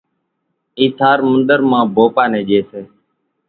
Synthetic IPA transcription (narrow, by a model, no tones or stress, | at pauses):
iːsʰaːɾmənd̪əɾmãːbʱoːpaːnẽːʄeːseː